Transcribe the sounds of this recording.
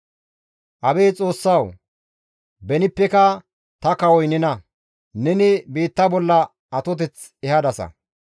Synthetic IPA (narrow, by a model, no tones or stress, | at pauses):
ʔɐbeːt͡sʼo̞ːsːɐw | bɛnɪpːɛkɐ | t̪ɐkɐwɔjnɪnɐ | nɛnɪbiːt̪ːɐbɔlːɐ | ɐt̪ɔt̪ɛt͡s | ɛhɐd̪ɐsɐ̰